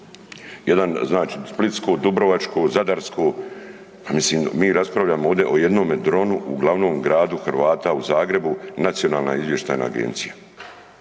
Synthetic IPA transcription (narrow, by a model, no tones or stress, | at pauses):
jed̪anznaːt͡ʃisplit̪skoːd̪ubɾoʋat͡ʃkoːzad̪aɾskʰoː | pamisliːmmiːɾaspɾavʎaːmooːʋd̪e̞ʔo̞je̞d̪no̞ːmed̪ɾo̞nuʔṵɡlaʋno̞ːmɡɾaːd̪uxɾʋaːt̪auzaːɡɾe̞bunat̪sijo̞naːlna̰izʋje̞ʃt̪a̰ːjna̰ːɡḛnt̪sija